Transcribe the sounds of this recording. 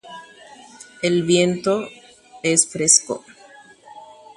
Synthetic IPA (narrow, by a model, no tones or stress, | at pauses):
elβje̞nt̪o | esfɾesko̰